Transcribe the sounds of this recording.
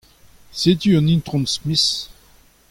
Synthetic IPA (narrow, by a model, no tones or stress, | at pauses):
set̪yɑ̃nint̪ʁɔ̃nsmis